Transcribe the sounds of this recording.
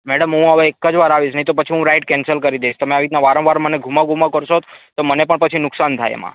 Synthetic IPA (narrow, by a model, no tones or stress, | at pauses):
mɛɽəmɦũɦəʋeekːəd͡ʒʋaɾaʋid͡ʒʰnəɦit̪opət͡ʃʰiɦũɾajʈ̚kɛnsəlkəɾid̪eʃt̪əmeaʋit̪naʋaɾə̃ʋaɾməneɡʱumaɡʱumakəɾʃot̪t̪omənepəɳpət͡ʃʰinʊksant̪ʰa̰jḛmã̰